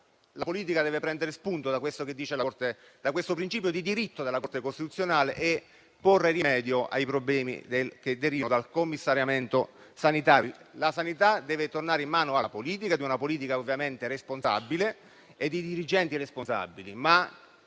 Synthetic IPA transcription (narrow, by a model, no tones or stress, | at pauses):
lapoliːt̪̬ikad̪ɛːvepɾɛnd̪eɾespunt̪od̪akwest̪oked̪ːiːt͡ʃelart̪e | d̪akwest̪opɾint͡ʃiːpjod̪id̪iɾit̪ːod̪elːakort̪ekost̪it̪ut̪sːjonaːleʔe | pːorːerimɛːd̪joʔa̰jpɾoblɛːmḭd̪eked̪ːeɾiːvanod̪alkomːisːaɾjament̪o | sanit̪aːɾilasanit̪ad̪ɛːvet̪ornaːɾeimːaːnoapoliːt̪̬ikad̪iunapoliːt̪̬ikaovːjament̪eresponsa̰bːile | ed̪id̪iɾid͡ʒɛnt̪iresponsa̰bːilima